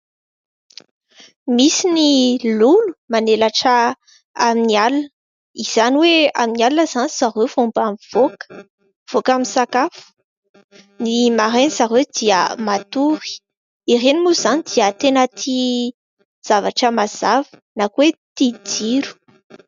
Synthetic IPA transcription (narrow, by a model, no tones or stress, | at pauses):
misinilulu̥manelaʈ͡ʂə | aminialunə | iz̥aniwea̰minialunəz̥aniz̥aɾewvumbamiv̥ok | v̥okamisakafu̥ | nimaɾenizaɾewd̪iə̰mat̪uɾi̥ | irenimuzanid̪iət̪enət̪ʰi | z̥avaʈ͡ʂəmaz̥avə̥nakuwet̪id͡ziɾu̥